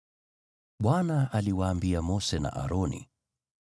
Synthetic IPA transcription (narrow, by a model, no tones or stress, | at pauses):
ɓwanaaliwaːmbiamɔsɛna̰ʔa̰ɾɔnḭ